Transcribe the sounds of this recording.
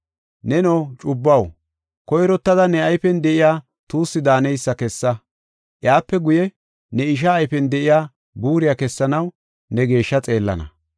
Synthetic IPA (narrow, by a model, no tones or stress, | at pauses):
nɛnoːt͡ʃʼʊbːɐw | kɔjɾɔt̪ːɐd̪ɐnɛɐjfɛnd̪ɛʔɪjaː | t̪uːsːɪd̪aːnɛjsːɐkɛsːɐ | ʔɪjaːpːɛɡʊjɛ | nɛɪʃ̬ɐːjfɛnd̪ɛʔɪjaː | buːɾɪjakɛsːɐnɐw | nɛɡe̞ːʃːɐt͡sʼe̞ːlːɐ̰nɐ̰